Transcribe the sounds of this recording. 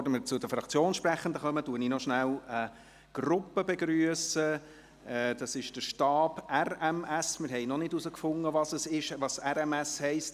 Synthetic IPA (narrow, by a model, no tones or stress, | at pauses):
dəməɾt͡sʊdəfɾɑkt͡sjoːnʃpræχənd̪əχœmətuəninɔʃnælə | ɡ̥rʊpːəbeɡryəsə | ɛːd̥ɑsɪʃd̥əʃtɑːbærɛmɛsmɪɾɦɛɪnɔnɪdusəkfʊŋːəvɑsəsɪʃʋɑsɛɾɛmɛshɛɪst